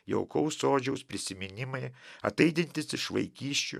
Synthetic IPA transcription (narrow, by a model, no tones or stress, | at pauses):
jɛ̰ʊkɐʊsoːd͡ʒʲɛʊspʲɾʲɪsʲɪmʲɪnʲɪmɐɪɐ̰t̪ɐɪd̪ʲɪnʲt̪ʲɪsɪʃʋɐ̰ɪkʲiːsʲt͡ʃʲʊ̰